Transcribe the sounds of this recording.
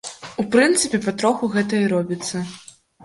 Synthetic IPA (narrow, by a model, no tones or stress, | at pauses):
upɾɨnt̪sɨpʲɛpat̪ɾɔxuɣɛt̪ɐiɾɔbʲit̪sːɐ